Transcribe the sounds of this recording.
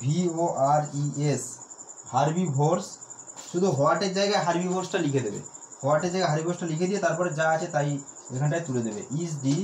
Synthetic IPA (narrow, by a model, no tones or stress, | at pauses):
bʱioʔaɾieshaɾbibʱoɾsʃud̪ʱuɦɔaʈed͡ʑajɡajɦaɾbibʱoɾsʈalikʰed̪ebḛhɔwaʈed͡ʑd͡ʒajɡajɦaɾbibʱoɾsʈalikʰed̪ibet̪aɾpɔɾed͡ʑaat͡ɕʰet̪ajḛkʰɔɳʈajt̪uled̪ebḛʔisɖi